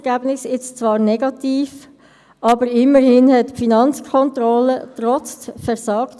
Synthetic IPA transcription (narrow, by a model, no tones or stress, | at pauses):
ɡ̥æbnɪsɪt͡st͡svɑːʁnɛɡɑtiːf | ʔɑbəɾɪmːəɾhɪnhɛtfinɑnt͡skʰɔnt̪ɾɔlət̪ʁɔt͡sfɛɾsɑːkt